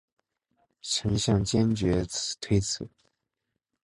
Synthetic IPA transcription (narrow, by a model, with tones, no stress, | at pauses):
ʈ͡ʂʰə˧˥ŋɕjɑ˥˩ŋt͡ɕjɛ˥nt͡ɕɥɛ˧˥t͡sʰt̪ʰwe˥ɪt͡sʰɹ̩˨˩˦